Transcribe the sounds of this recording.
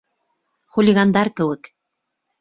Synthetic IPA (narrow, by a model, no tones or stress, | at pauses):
χulʲiɡand̪ɑɾkɘ̆wɘk